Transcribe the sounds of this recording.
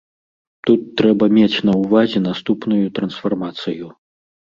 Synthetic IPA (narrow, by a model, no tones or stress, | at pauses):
t̪ut̪ːɾɛbɐmʲet͡sʲnɐwvazʲɛnast̪upnujut̪ɾɐnsfarmat̪sɨju